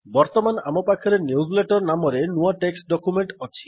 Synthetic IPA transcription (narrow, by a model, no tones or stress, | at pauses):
bɔɾt̪ɔmana̰mɔpakʰɔɾenjuzleʈɔɾnamɔɾenuaʈeksʈɖɔkumeɳʈɔt͡ʃʰi